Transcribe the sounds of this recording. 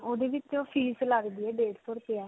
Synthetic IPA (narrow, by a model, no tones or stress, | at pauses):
oːd̪eːʋɪt͡ʃoːpʰiːsləɡd̪iːɛːɖeːʈsoːɾpeaː